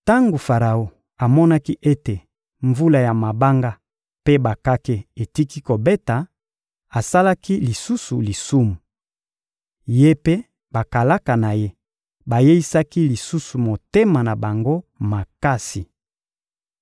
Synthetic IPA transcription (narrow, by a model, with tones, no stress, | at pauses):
ta˦ŋɡo˨fa˨ʁa˨o˨ | a˨mɔ˦na˦ki˦ʔe˦te˨ | ɱvu˦la˨ja˨ma˨ba˦ŋɡa˦ | pe˦ba˨ka˦ke˦e˨ti˦ki˦ko˨be˦ta˨ | a˨sa˦la˦ki˦li˨su˦su˨li˨su˦mu˨ | je˦pe˦ | ba˨ka˨la˦ka˨na˨je˦ | ba˨je˦i˦sa˦ki˦li˨su˦su˨mo˨te˦ma˨na˨ba˨ŋɡo˦ma˨ka˦si˨